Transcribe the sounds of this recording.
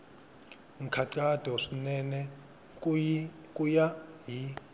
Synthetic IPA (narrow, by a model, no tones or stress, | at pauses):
ŋ̩kʰaǀad̥ʱɔʂinɛnɛ | kʼujaɦi